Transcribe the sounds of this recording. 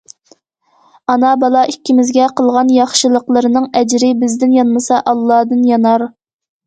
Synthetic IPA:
ɑnɑbɑlˠɑʔikʲːimɪzɡʲɛqʰəlˠʁɑnjɑχʃɨlˠəqlˠəɾɨnɨŋɛd͡ʒɾɪbɪzd̪ɪnjɑnmɨsɑʔɑlˠːɑːd̪ɨnjɑnɑɾ

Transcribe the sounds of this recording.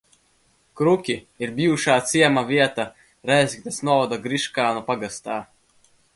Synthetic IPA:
kɾukʲi | iɾbʲiuʃaːt̪siɛmavʲiɛt̪a | ɾɛjzʲkʲt̪asnuɔvɔd̪aɡɾiʃkaːnupaɡast̪aː

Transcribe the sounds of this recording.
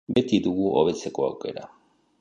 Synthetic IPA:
be̞t̪iðuɣuʔoβ̞e̞t͡se̞ko̞a̰wke̞̰ɾa̰

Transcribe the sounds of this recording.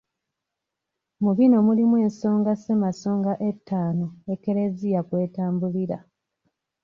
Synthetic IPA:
muβino̞mulimwe̞ːnso̞ːŋɡasemaso̞ːŋɡaʔe̞tʰːaːno̞eke̞ɾe̞zijakwe̞ːtaːmbuliɾa̰

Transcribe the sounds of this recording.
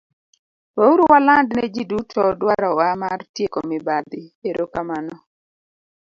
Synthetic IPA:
wauɾuwalandnɛd͡ʒidutʰɔdwaɾɔwamartjekɔmɪbad̪ɪeɾʔokamanɔ

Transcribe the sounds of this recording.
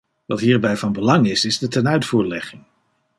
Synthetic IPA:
ʋɑtɦiːɹbɛjvɑnbəlɑŋɪsɪzdətɛnœɥtfuːɹlɛχɪŋ

